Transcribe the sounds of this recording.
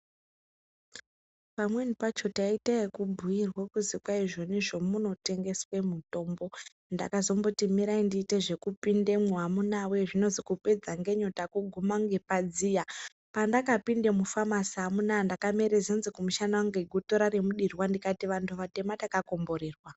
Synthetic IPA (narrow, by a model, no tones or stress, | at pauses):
pamwe̞nipat͡ʃo̞taitaekubʱujirwekuzikwaiʐo̞niʐo̞muno̞te̞ŋɡe̞swe̞muto̞ːmbo̞ | nda̰kazo̞mbotimiɾaindiːte̞ʐe̞kupinde̞moɦamunawe̞ʐino̞zikupe̞d͡zaŋɡe̞ɲo̞takuɡʱumaŋɡe̞pad͡zija | pandakapinde̞mufamasamunandakame̞ɾezenzikumuʃanawaŋɡeɡʱuto̞ɾaɾe̞muɗirwandikatiʋantʰuʋate̞matakako̞mbo̞ɾeːrwa